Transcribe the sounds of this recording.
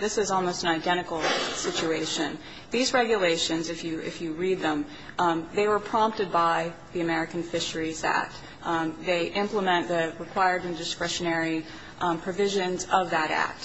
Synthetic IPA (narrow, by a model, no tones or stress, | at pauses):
ðɪsɨzɔlˠmoʊstn̩aɪdɛ̃ɾ̃ɨkl̩ˠsɪt͡ʃʉeɪʃɨ̃n | ðizɹɛɡjɨleɪʃɨ̃nzɨfjɨɪ̰fjɨɹid̪̚ðə̃m | ðeɪwə˞pʰɹ̥ɑ̃mp̚tɨd̚baɪ | ðiɨmɛɹɨkɨ̃n̩fɪʃə˞izæ̰k̚t̚ | ðeɪʔɪ̃mpləmɛ̃nðɨɹɨkʰw̥aɪə˞ɾɨ̃ndɨskɹɛʃɨnɛɹi | pʰɹ̥ɨvɪʒɨ̃nzʌvðɨɾæ̰k̚t̚